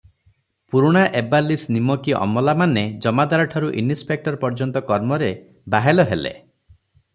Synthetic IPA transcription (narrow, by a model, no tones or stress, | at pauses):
puɾuɽ̃aʔebalːisnimɔkiʔɔ̰mɔlamaned͡ʒɔmad̪aɾɔʈʰaɾuʔḭnispek̚ʈɔɾpɔɾd͡ʒɔnt̪ɔkɔɾmɔɾe | baɦelɔɦelḛ